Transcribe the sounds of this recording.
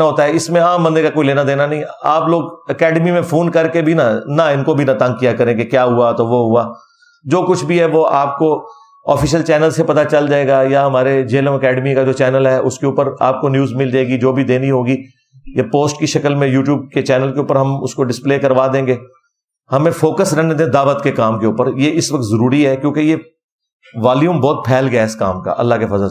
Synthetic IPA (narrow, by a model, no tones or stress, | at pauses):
aɦoːt̪aɦɛɪsmẽaːmbɐ̃nd̪ekakoːileːnad̪eːnanɐɦĩaːploːɡɐkɛːɖmimẽfʰoːnkɐɾkebʱinanaɪnkobʱinɐt̪ɐ̃ŋɡ̚kijakɐɾẽːɡekjaːɦʊat̪oʋoɦuaː | d͡ʒoːkʊt͡ʃʰbʱiɦɛʋoaːp̚ko | ɔ̰ːfɪːʃəlt͡ʃɛːnəlzsepɐt̪at͡ʃɐld͡ʒaːeːɡajaɦɐmaːɾed͡ʒeːlə̃mɐkɛːɖmikad͡ʒoːt͡ʃɛːnəlɦɛʔʊskeuːpəɾa̰ːp̚konjuːzmɪld͡ʒaːeːɡid͡ʒoːbʱid̪eːniɦõːɡi | japoːsʈkiʃɐkəlmẽjuːʈjuːb̚ket͡ʃɛːnəlkeuːpəɾɦɐmʊ̰skoɖɪspleːkɐɾʋad̪ẽːŋɡeː | hɐmẽfoːkəsɾɐɦned̪ẽd̪aːʋət̪kekaːmkeʊːpəɾjeʔɪsʋɐk̚t̪zɐɾuːɾiɦɛkjõːkeje | ʋaːljũːmbɔːt̪̚pʰɛːlɡɐjaːɪska̰ːmka̰ʔɐ̰lːaɦkefɐzəl